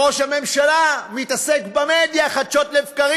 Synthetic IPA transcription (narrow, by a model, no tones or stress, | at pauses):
oʃhame̞mʃalamit̪asekbamed̪jaχad̪ʃo̞t̪leːfkaʁi